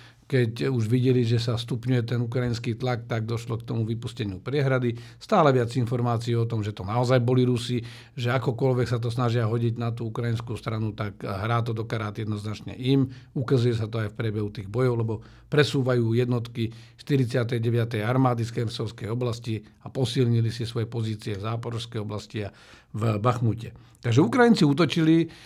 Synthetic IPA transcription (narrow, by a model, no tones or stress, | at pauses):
kɛcuʒʋiɟɛliʒɛsast̪upɲujɛt̪ɛnukɾainskiːt̪lak̚t̪aɡ̚d̪ɔʃlɔkt̪ɔmuʋipuscɛɲɪupɾɪɛɦɾad̪ist̪aːlɛʋɪad͡zinfɔɾmaːt͡siːɔt̪ɔmʒɛt̪ɔnaɔzajbɔliɾusi | ʒɛakɔkɔlʋɛksat̪ɔsnaʒɪaɦɔɟiɟnat̪uːukɾainskuːst̪ɾanut̪akɦɾaːt̪ɔd̪ɔkaɾaːd̪jɛd̪nɔznat͡ʃɲɛ̰ʔimukazujɛsat̪ɔajfpɾɛbɛɦut̪iːɣbɔjɔʊlɛbɔ | pɾɛsuːʋajuːjɛd̪nɔt̪kiʃt̪iɾit͡sɪat̪ɛjɟɛʋɪat̪ɛjaɾmaːd̪isxɛɾsɔʊskɛjɔblasciapɔsilɲilisisʋɔjɛpɔziːt͡siɛvzaːpɔɾɔskɛjɔblascia | vbaxmucɛ | t̪aɡʒɛukɾajint͡siut̪ɔt͡ʃili